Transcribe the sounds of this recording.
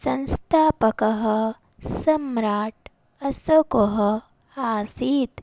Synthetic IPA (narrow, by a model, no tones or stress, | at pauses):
sɐ̃nst̪ʰaːpɐkɐɦɐ | sɐmɾaːʈ̚ | ɐsɐkoɦɐ | aːsiːt̪